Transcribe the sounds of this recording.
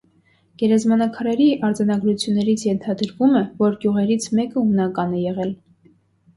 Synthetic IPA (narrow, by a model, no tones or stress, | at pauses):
ɡ̥ɛɾɑzmɑnɑkʰɑɾɛɾiʔɑɾd͡zɑnɑɡɾut͡sʰjunːɛɾit͡sʰjɛnt̪ʰɑd̪əɾvumɛvɔɾɡjuʁɛɾit͡sʰmɛkəumnɑkɑnɛjɛʁɛl